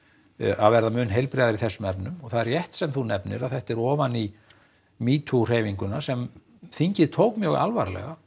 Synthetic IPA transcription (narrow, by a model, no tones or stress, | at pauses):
ʔa̰ðvɛɾðamʏːnɦejlpɾɛːðaɾiθɛsːʏmɛpnʏmɔɣθaðɛɾjɛht̪sɛmθunɛpnɪ̰ɾaðθɛht̪ɛɾɔːvani | miːt̪ʰur̥eːjviŋkʏnḁsɛm | θiɲcɪðt̪ʰowkmjœɣa̰lva̰ɾlɛ̰ɣa